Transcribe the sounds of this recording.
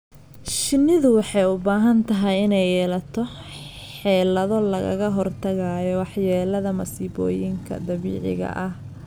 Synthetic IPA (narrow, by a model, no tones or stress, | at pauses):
ʃɪnɪðʊwɑħɑjʊbaːɦɐnt̪ʰɐɦɛjɪnɛjɛːlɐt̪ʰɔ | ħɛːlɐðɔlɐɣɐ̰ɣɐɦɔrt̪ʰɐɣaːjɔwɑħjɛːlɐðɐmɐsiːβɔ̰ːjɪŋkʰɐ̰d̪ɐβḭːʕɪ̰ɣɐ̰ʔɐh